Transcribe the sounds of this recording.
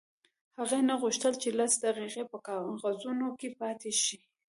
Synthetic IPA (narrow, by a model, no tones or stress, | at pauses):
haɣanaɣuʃt̪əlt͡ʃelasd̪aqiqepəkɑɣazunokepɑt̪ʰeʃi